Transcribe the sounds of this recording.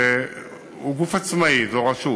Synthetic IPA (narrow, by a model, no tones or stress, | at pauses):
uk̬ufat͡sʰimait͡sakwaʃoː